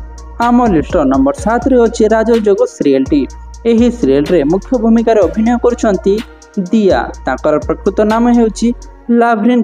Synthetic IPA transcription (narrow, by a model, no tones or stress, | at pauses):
amɔlisʈɔnɔmbɔɾsat̪ɾeowt͡ʃʰiɾad͡ʒɔd͡ʒoɡɔsɾielʈi | eɦisiɾijelɾemukʰjɔbʱumikaɾeobʱinɔjɔkɔɾut͡ʃʰɔnt̪i | d̪ija̰t̪ãkɔɾaɾpɾəkɾut̪ɔnameɦewt͡ʃʰi | labʱɾin